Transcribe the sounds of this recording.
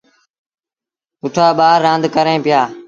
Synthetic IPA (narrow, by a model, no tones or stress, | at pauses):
kʊʈʰaːɓaːɾːãːnd̪kəɾẽːpɪjaː